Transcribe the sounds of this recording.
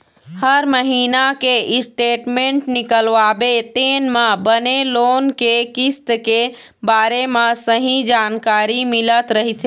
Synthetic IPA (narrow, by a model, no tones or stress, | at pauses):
həɾməɦinakeisʈeʈmeɳʈnikəlʋabet̪enmebənelonkekist̪ke | baɾemesəɦĩd͡ʒankaɾimilət̪ɾəɦit̪ʰ